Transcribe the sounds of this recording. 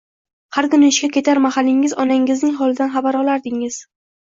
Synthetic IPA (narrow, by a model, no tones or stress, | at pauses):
haɾkʊnaɪʃkʲakʲʰe̞t̪ʰaɾmahalːɪŋɪzɒnaŋɪznɪŋχɒlˠɪd̪anχɑbaɾɒlˠaɾd̪ɪŋɪz̥